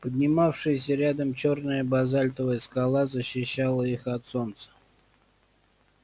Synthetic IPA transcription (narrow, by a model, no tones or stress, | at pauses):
pəd̪ʲnʲɪmafʂɨjɪsʲəɾʲad̪əmt͡ɕornəjəbazalʲt̪əvəjəskalˠazəɕːɪɕːalˠəixɐt̪so̞nt̪sə̥